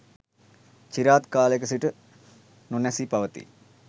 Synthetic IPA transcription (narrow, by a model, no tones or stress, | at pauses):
t͡ʃiɾaːt̪kaːlekəsiʈə | nunɛsipaʋət̪ḭ